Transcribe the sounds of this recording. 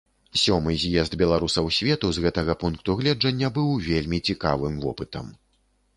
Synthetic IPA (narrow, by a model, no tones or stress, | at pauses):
sʲɔmɨzʲjɛzd̪bʲɛlˠaɾusɐwsʲvʲɛt̪uzɣɛt̪ɐɣɐpunkt̪uɣlʲɛd͡ʐɐnʲːɐbɨwvʲelʲmʲit͡sʲika̰vɨmvɔ̰pɨt̪ɐ̰m